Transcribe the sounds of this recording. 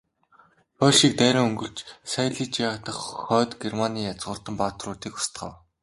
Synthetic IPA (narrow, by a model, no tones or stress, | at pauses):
pɔɮʃiːk̚t̪æːɾʲʊːŋɵŋɡɵ̆ɬt͡ɕsajɮiːt͡ɕat̪ə̆χχœːt̪ɡermaniːjat͡sɢʊ̆ːr̥t̪ə̆mpat̪rʊːt̪iːkʊ̥st̪χə̰̆w